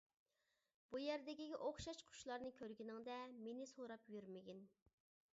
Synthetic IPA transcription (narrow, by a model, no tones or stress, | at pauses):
b̥ujɛɾd̪ɛɡʲɛɡʲɛʔoχʃɑʃqʰʊ̥ʃlˠɑɾnɨkʲʰøɾɡʲinɪŋd̪ɛmenɪsoɾɑpjyɾmɪɡʲin